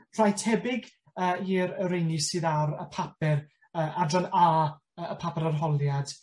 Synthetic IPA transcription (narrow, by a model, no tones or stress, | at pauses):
r̥ajtʰɛbɪɡ | əːiɾəɾejnisɨːðaɾə̰pʰapɛr | əːʔadranaː | əəpʰapɛɾarɦɔlˠjad̥